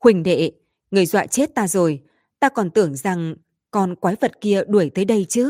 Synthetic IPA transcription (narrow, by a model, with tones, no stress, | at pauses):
xwï˨˩ŋ̟ɗḛ˧˨ | ŋɨ˨˩əjzwa̰ː˧˨jt͡ɕe˦˥t̚t̪aː˧zo˨˩j | t̪aː˧kɔ˨˩nt̪ɨ̰˧˩əŋza˨˩ŋ | kɔ˨˩nkwaː˨˦jvə˨˩t̚ki˧əɗu˧˩əjt̪əː˨˦jɗə˧jt͡ɕɨ˨˦